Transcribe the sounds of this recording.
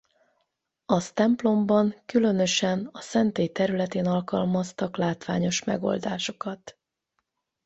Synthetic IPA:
ɒst̪ɛmplo̞mbɒŋkylø̞nø̞ʃɛnɒsɛnt̪eːjt̪ɛɾylɛt̪eːnɒlkɒlmɒst̪ɒklaːt̪ʋa̰ːɲo̞ʃmɛ̰ɡo̞̰ld̪aːʃo̞kɒt̪

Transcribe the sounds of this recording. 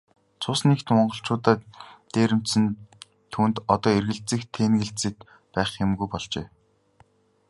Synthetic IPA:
t͡sʰʊsnekt̪mɔɴɢɞ̆ɬt͡ɕʊːt̪aːt̪eːɾɘ̆m̥t͡ɕsɘ̆n | t̪ʰuːnt̪ɔt̪ɔːerɣɘ̆ɮt͡sɘ̆kt̪ʰːeːnɣɘ̆ɬt͡sɘ̆t̪ | pæːχxemɡujpɔɮt͡ɕḛː

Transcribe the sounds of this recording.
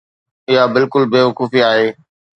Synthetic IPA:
ɪɦabɪlkʊlbeːʋʊkuːfiaːɦeː

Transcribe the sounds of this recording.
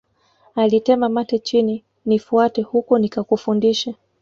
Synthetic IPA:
alitɛmamatɛt͡ʃini | nifuatɛhukɔnikakufundiʃa

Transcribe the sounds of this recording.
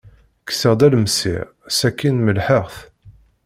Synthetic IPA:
kːsəʁd̪ælməsḭʁ | sækːinməlħəʁθ

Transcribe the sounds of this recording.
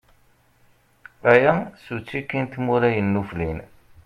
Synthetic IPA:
æjæsut͡sːikːint̪muɾæjənːuflin

